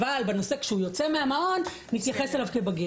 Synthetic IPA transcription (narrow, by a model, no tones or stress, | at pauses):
albeno̞se̞kʃeujo̞t͡se̞meamao̞nː | it̪jaχeselavkebaɡi